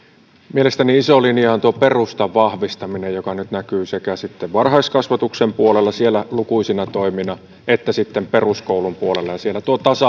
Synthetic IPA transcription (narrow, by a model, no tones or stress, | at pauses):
mielest̪æniisolinjɑnt̪uoperust̪ɑʋʋɑhʋist̪ɑminejjokɑnyt̪nækyːsekæsit̪ːeʋʋɑnhɑiskɑsʋɑt̪uksempuolelːɑsielːˑælukuisinɑt̪oiminɑ | et̪ːæsit̪ːemperuskoulumpuolelːɑjɑsielːæt̪uot̪ɑsɑ